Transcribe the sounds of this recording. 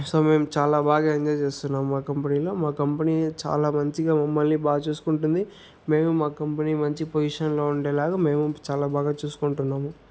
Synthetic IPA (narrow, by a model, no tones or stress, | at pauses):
so̞ːme̞ːmt͡ʃaːlaːbaːɡaːiɲd͡ʒɔːjt͡ʃeːst̪unːaːmmaːkɐmpɐniːlo̞ːmaːkɐmpɐniːt͡ʃa̰ːlaːmɐɲt͡ʃiɡaːmɐmːɐlːiːbaːɡɐt͡ʃeːsu̥kuɳʈund̪i | me̞ːmumaːkɐmpɐniːmɐɲt͡ʃipojiʂɐnlo̞ːuɳɖeːlaːɡame̞ːmut͡ʃaːlaːbaːɡaːt͡ʃuːsu̥kuɳʈunːaːmu